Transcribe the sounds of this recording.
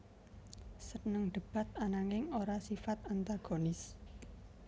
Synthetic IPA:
sənəŋɖ̪̥əb̥a̤t̪̚anaŋɪŋoɾasifat̪ant̪aɡ̥o̤nɪs

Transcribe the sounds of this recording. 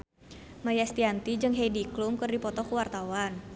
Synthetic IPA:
majast̪iant̪id͡ʒɨŋɦejdiklumkɨrdipɔt̪ɔkuwart̪awan

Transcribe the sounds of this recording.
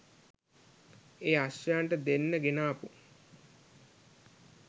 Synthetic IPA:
eːaʃːjaɳʈəd̪enːəɡenaːpu

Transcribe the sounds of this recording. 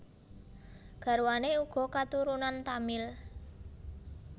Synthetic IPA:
ɡ̥a̤ɾuwaneuɡ̥ɔ̤kat̪uɾunant̪amɪl

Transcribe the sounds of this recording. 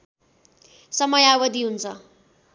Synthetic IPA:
sʌmʌjawʌd̪ʱiɦunt͡sʰʌ

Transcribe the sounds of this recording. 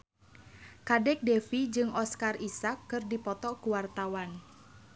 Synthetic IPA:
kadɛk̚defid͡ʒɨŋɔskarisakːɨrdipɔt̪ɔkuwart̪awan

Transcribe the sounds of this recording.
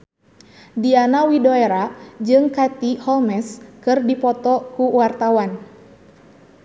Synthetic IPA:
dianawidoeɾad͡ʒɨŋkat̪ihɔlmɛskɨrdipɔt̪ɔkuwart̪awan

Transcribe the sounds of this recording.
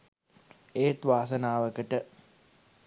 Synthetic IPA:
eːt̪ʋaːs̬ɐnaːʋəkəʈə

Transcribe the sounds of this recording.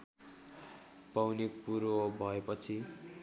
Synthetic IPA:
pawnepuɾobʱʌepʌt͡sʰi

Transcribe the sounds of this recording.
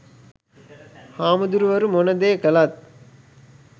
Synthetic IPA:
haːmud̪uɾuʋɐɾumonɐd̪eːkəlɐt̪̚

